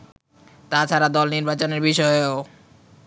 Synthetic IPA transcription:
t̪at͡ɕʰaɾad̪ɔlniɾbat͡ɕoneɾbiʃɔeo

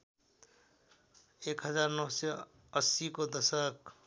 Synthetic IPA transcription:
ekɦʌd͡zarnʌwse | ʌsikod̪ʌsʌk

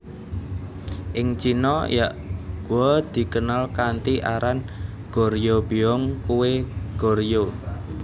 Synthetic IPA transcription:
ʔɪŋt͡ʃinɔjaʔɡ̥uɔd̪̥i̤kənalkant̪iʔaɾan | ɡ̥o̤ɾjobiɔŋkuweɡ̥o̤ɾjo

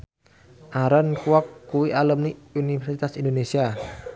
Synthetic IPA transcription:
ʔaɾənkuwakːuwiʔaləmniunifɛrsit̪asindonesia

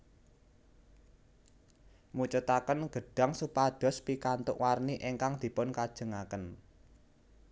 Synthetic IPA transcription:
mut͡ʃut̪akənɡ̥ə̤ɖ̥a̤ŋsupad̪̥ɔ̤spikant̪ʊ̰ʔwarniʔeŋkaŋd̪̥i̤pʊnkad̥ʒ̥ə̤ŋakən

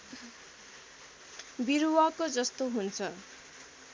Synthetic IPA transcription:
biɾwakod͡zʌst̪oɦunt͡sʰʌ

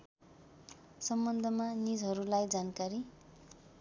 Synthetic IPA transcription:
sʌmbʌnd̪ʱʌmanid͡zɦʌɾulajd͡zankaɾi

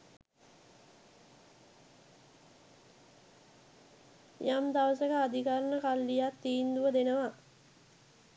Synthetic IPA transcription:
jamd̪aʋəsəkəːd̪ikaɾənəkalːijat̪ːiːnd̪uʋəd̪enəʋa

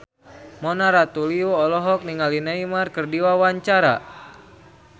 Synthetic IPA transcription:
mɔnaɾat̪uliɔːlɔɦɔk̚niŋalinaimarkɨrdiwawaɲt͡ʃaɾa̰

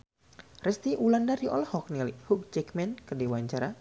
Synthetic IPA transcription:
rɛst̪iʔulandaɾiɔ̰lhɔk̚nilihuk̚d͡ʒɛkmɛnkədewaɲt͡ʃaɾa

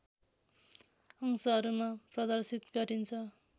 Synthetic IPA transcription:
ʌŋsʌɦʌɾumaprʌd̪ʌrsit̪ɡʌɾint͡sʰʌ

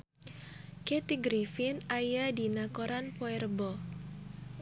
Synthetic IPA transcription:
kɛt̪iɡɾifɪnajadinakoɾanpoɛrbɔ

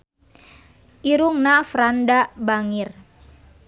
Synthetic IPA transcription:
ʔiɾuŋnafɾandabaŋir

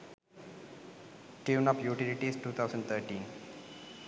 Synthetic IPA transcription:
ʈiwnapjuʈiliʈiːsʈuːt̪ʰawzəɳɖt̪ʰəɾʈiːn

